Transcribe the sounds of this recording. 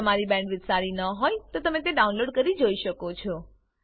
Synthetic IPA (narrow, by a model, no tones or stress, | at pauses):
əmaɾibɛ̃ɳɖʋɪt̪saɾinəɦojt̪ot̪əmet̪̬eɖaunloɖkəɾid͡ʒoiʃəkot͡ʃʰɔ